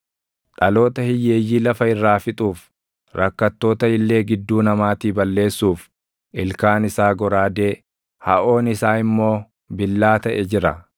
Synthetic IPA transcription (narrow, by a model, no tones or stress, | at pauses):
ᶑɐlo̞ːt̪ɐhɪjeːjːiːlɐfɐɪrːaːfɪt̪ʼuːf | ɾɐkːɐt̪ːo̞ːt̪ɐɪlːe̞ːɡɪd̪ːuːnɐmaːt̪iːbɐlːe̞ːsːuːf | ʔɪlkaːnɪsaːɡɔɾaːd̪eː | hɐ̰ʔo̞ːnɪsaːɪmːo̞ː | bɪlːaːt̪ɐʔɛd͡ʒɪɾɐ̰